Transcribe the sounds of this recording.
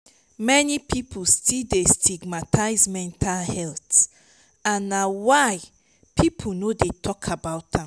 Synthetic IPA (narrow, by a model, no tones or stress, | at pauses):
mɛnipʰipʰulstʰildestʰiɡmatʰaɪzmɛ̃ntʰalhɛlt | ãnːawaɪ | pʰipʰunodetʰɔkʰabaʊtã